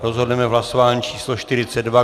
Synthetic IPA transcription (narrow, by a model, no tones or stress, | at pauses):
ɾozɦo̞dnɛmɛvɦlasovaːɲiːt͡ʃiːsloʃt̪ɪɾɪt͡sɛdva